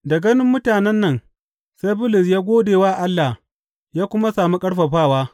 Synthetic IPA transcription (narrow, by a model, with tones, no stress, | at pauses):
dɐ˨ɡɐ˦nɪ˦mːʊ˦taː˨nɛ˦nːɐ˦˨ŋ | sa˦jbʊ˦lʊ˨sjaː˦ɡʷoː˦deː˨waː˦˨ʔa˦lːa˨ | jaː˦kʷʊ˦ma˦saː˨mi˦kʼɐ˦ɽɸɐ˨ɸaː˦˨waː˦